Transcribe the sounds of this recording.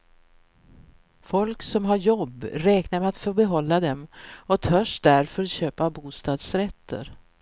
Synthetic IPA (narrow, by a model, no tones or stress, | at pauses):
fɔlksɔmɦaɾjɔbːɾɛːknaɾmɛat̪fœɾbɛɦɔlːad̪ɛmɔt̪ʰœʂd̪æɾfœɾɔt̪ɕøːpabuːst̪ɑːd̪sɾɛt̪ʰːə̰ɾ